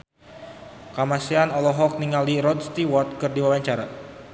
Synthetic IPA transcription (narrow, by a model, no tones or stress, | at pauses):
kamasianɔlɔɦɔk̚niŋaldiɾɔd̪̚st̪iwɔt̪̚kɨrdiwawaɲt͡ʃaɾa